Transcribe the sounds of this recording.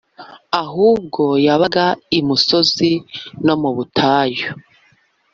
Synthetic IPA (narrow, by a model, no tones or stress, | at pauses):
aɦuːb̚ɡo̞jaβaɡaimuso̞zino̞muβutʰaːjo